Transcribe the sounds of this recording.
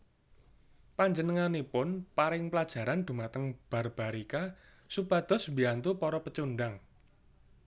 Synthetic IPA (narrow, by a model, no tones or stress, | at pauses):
paɲd͡ʒənəŋanipʊnpaɾɪŋpəlad̥ʒ̥a̤ɾand̪̥ṳmat̪əŋb̥a̤rb̥a̤ɾika | supad̪̥ɔ̤smbiant̪upɔɾɔpət͡ʃunɖaŋ